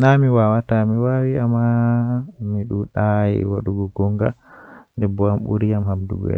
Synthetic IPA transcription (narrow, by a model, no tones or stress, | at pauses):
namiwawatamiwawiamːa | miɗuɗajɛ̰waɗuɡɔɡɔŋɡa̰ndɛbɔamɓṵɾijamhamdṵɡɛ̰